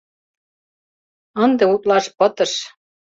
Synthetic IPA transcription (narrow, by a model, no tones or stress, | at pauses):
ə̆nd̪ĕut̪lɑʃpɤt̪ɤ̆ʃ